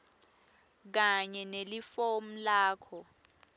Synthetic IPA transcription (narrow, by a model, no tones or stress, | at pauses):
k̬aɲɛnelifom̩laːkʰɔ